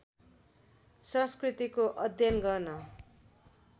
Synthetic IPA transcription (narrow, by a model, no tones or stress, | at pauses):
sʌ̃skrit̪ikoʔʌd̪ʱjʌnɡʌrnʌ